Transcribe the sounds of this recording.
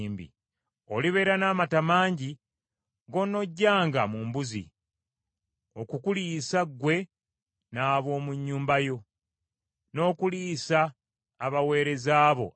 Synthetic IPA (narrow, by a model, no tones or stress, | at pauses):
mbḭ | o̞liβe̞ːɾanaːmatamaːɲɟi | ɡo̞no̞ɟːaːŋɡamumbuzḭ | o̞kukuliːsaɡwe̞ | naːβo̞ːmuɲːuːmbajo̞ | no̞ːkuliːsaː | βawe̞ːɾe̞zaːβo̞̰